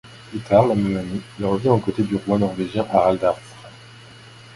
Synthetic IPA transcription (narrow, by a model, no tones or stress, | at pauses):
plyt̪ʰaʁlamɛmanilʁəvjɛ̃ɑ̃kot̪ed̪yʁwɑ̃nɔʁveʒjɛ̃ʔaald̪aʁsχa